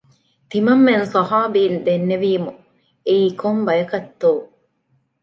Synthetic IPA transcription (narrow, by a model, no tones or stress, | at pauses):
t̪imɐmːensɐɦaːbiːnd̪enːeʋiːmu | eiːkʰombɐjɐkɐt̪ːoː